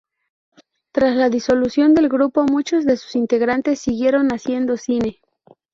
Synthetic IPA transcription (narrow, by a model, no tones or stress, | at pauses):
t̪ɾaslaðiso̞lusjo̞nd̪e̞lɡɾupo̞mut͡ʃo̞zðe̞su̥sint̪e̞ɣɾant̪e̞sːiɣje̞ɾo̞nasje̞nd̪o̞sine̞